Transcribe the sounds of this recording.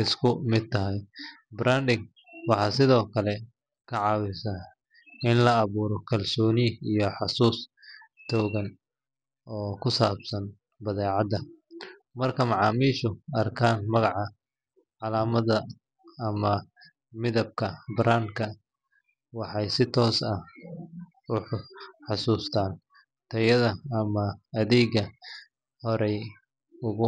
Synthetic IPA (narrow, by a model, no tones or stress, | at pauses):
ɪskʰʊmɪd̪̚t̪ʰɐɦɛjbɾaːnd̪ɪɡ | wɑħɑːsɪðɔːkʰɐlɛ | kʰɐʕɑːwɪsɐ | ɪnlɐːβuːɾɔkʰɐlsɔːnɪijɔħɑsuːst̪ʰɔːɣɐn | ɔːkʰʊsaːbsɐn | bɐðɛːʕɑd̪ɐ | mɐrkʰɐmɑʕɑːmiːʃʊɐrkʰaːnmɐɣɑʕɑ | ʕɑlaːmɐðɐ | ɐmɐ | mɪðɐb̚kʰɐbɾʔaːŋkʰɐ | wɑħɑjsɪt̪ʰɔːsɐ | ʊħʊħɑsuːst̪ʰaːn | t̪ʰɐjɐðɐɐmɐɐðɛːɡɐ | hɔɾɛj | ʊɣʊ